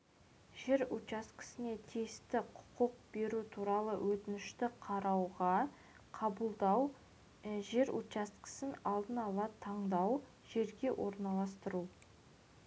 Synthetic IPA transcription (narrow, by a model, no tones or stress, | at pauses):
ʒe̞ɾut͡ʃɑst̪qɪ̥sɪne̞t̪ʰest̪ɪqʰʊ̥qʊq̚be̞ɾut̪ʰuɾɑlˠəwʔɵt̪ɪnɪʃt̪ɪqʰɑɾɑwʁɑ | qʰɑbəlˠd̪ɑw | ʒe̞ɾut͡ʃɑst̪qə̥sənɑlˠd̪ənɑlˠɑt̪ʰɑɴd̪ɑw | ʒ̥e̞ɾɡʲe̞wʔo̞ɾnɑlˠɑst̪əɾu